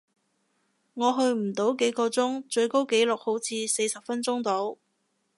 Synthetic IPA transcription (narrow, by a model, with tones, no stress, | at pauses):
ŋɔː˨˧ɦɵ˧ɥm̩˨˩t̪o˨˥wke˨˥jkɔː˧t͡sʊ˥ŋt͡ʃɵ˧ɥko˥wke˨˥jlʊ˨k̚ho˨˥wt͡sʰiː˧se˧jsɐ˨p̚fɐ˥nt͡sʊ˥ŋt̪o˨˥w